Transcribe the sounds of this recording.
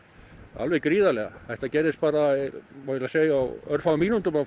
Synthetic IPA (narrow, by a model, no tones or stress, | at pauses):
a̰lvɛkɾiːðalɛɣa̰θɛjht̪acɛːɾɪst̪̚paːɾamaɛlaseːjaa̰wœɾfaɣmiːnunt̪ʏma